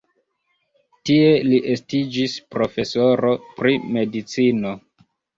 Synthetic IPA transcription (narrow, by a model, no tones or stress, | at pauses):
tie̞liʔe̞stid͡ʒispɾo̞fe̞so̞ɾo̞pɾime̞dit͡sino̞